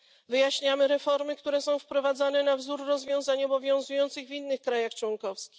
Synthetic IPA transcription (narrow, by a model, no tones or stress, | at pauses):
vɘjaɕɲamɘɾɛfɔɾmɘkt̪uɾɛsɔ̃w̃fpɾɔvad̪zanɛnavzuɾːɔzvʲjɔ̃w̃zaɲɔbɔvʲjɔ̃ñzujɔnt̪sɘɣvʲinːɘxkɾajaxt͡ʂwɔŋkɔfskʲi̥x